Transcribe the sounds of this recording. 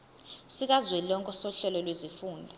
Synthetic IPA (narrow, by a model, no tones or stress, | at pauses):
sik̬ʼazwɛlɔŋkʼɔsɔɬɛlɔlwezifuːndʱa